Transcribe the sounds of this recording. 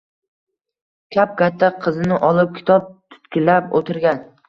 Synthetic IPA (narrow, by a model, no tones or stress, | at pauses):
kʲʰap̚kʲat̪ʰːaqʰɨzɪnɪʔɒlˠɪp̚kʲʰɪ̥t̪ʰɒp̚t̪ʰʊ̥t̪kʲɪlːapot̪ʰɪɾɡʲan